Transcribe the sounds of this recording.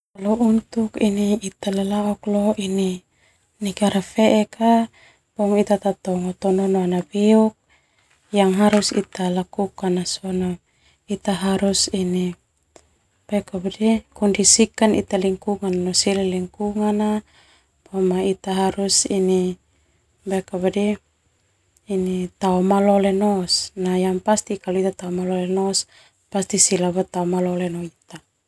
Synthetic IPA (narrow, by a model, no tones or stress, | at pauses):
alɔʔunt̪ukiniːt̪alalaɔklɔini | niɡaɾafeʔɛka | pɔŋit̪at̪at̪ɔŋɔt̪ɔnɔnɔanabiuk̚ | jaŋɦaɾusḭt̪alakukanasɔnɔ | it̪aɦaɾusini | pɛkabadikɔndisikanḭt̪aliŋkuŋanːɔsilɛliŋkuŋana | bamait̪aɦaɾusini | bɛkabadɛ | nit̪aɔmalɔlenɔsnajaŋpast̪ikalɔit̪at̪aɔmalɔlenɔs | past̪isilabat̪aɔmalɔlɛnɔit̪a